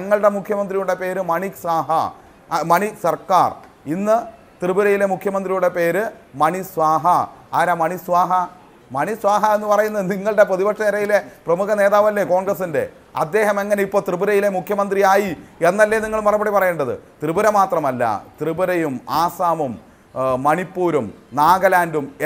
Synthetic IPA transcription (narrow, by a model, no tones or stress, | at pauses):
ɐŋːɐɭɽe̞mukʰjɐmɐnd̪rijuɽe̞pe̞ːɾɨmɐɳisaːɦɐ̰ | mɐɳisɐrka̰ːr | inːɨ | t̪rɨbuɾɐjile̞mukʰjɐmɐnd̪rijuɽe̞pe̞ːɾɨmɐɳisʋaːɦɐaːɾaːmɐɳisʋaːɦɐ | mɐɳisʋaːɦɐenːupɐrɐjunːɐðɨniŋːɐɭɽe̞prɐðibɐkʂɐnɐɾɐjile̞prɐmukɐne̞ːðaːʋɐlːe̞ko̞ːɳɡrɐsinde̞̰ | ɐ̰d̪ːe̞ːɦɐme̞ŋːɐne̞ipːoːɭt̪rɨbuɾɐjile̞mukʰjɐmɐnd̪rijaːjienːɐlːeniŋːɐɭmɐrɐbɐɽipɐrɐjeɳɖɐðɨ̰t̪rɨbuɾɐmaːt̪rɐmɐlːɐ̰t̪rɨbuɾɐjumaːsaːmumː | ɐɳipːuːɾumnaːɡɐlaːndum